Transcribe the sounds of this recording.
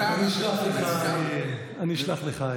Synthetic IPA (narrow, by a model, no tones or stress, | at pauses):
aniʃlaχleχa | aniʃlaχleχa